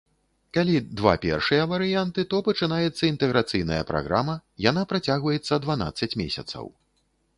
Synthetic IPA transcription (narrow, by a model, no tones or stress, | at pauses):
kalʲid̪va̰pʲɛ̰rʂɨjɐvɐɾɨjant̪ɨt̪ɔpɐt͡ʂɨnajɛt̪sːɐint̪ɛɣɾat̪sɨjnɐjɐ̰pɾa̰ɣɾamɐjan̪apɾat͡sʲaɣvɐjɛt̪sːɐd̪van̪a̰t̪sːɐt͡sʲmʲḛsʲɐ̰t̪sɐ̰w